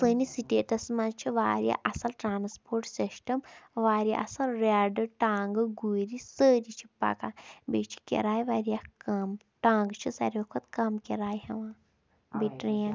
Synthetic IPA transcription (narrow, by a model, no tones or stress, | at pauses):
sənisiʈeːtɐsmɐt͡ʃʰiʋa̰ːɾja̰ʔɐsɐlʈɾaːnspʰoːɾʈsisʈɐmʋaːɾija̰ʔɐ̰sɐlɾaɖɨʈaːŋɡɨɡuːɾisəːɾit͡ʃʰi̥pɐ̰kabet͡ʃʰi̥kʲḛɾaːjʋaːɾijakɐm | ʈãːŋɡt͡ʃʰisɐ̰ɾʲokʰot̪kɐmkʲeɾaːjhɐʋãː | biʈɾijãː